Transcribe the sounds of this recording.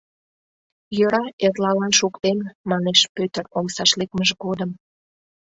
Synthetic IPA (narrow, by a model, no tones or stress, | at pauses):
jøɾɑerlɑlɑnʃukt̪enmɑneʃpøt̪əɾoŋsɑʃlekməʒɡod̪əm